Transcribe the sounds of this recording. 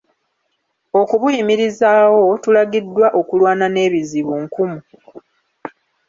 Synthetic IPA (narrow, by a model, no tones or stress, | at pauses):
o̞kuβujimiɾizawo̞tulaɡidːwaʔo̞kulwaːnane̞ːβiziβuŋkumu